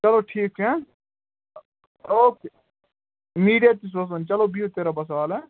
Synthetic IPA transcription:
t͡ʃɐloːʈʰiːkɦɛː | oːke | miːɖijat̪is̬ɐs̬ɐnt͡ʃɐlobʱiːɦot̪eːɾaːbɐs̬ʋaːlɛː

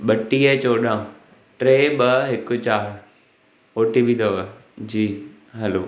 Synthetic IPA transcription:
ɓɐʈiet͡ɕoːɗãː | ʈɾeːɓɐɦɪkʊt͡ɕaːɾ | oːʈibʱit̪oʋd͡ʑiː | ɦɐloː

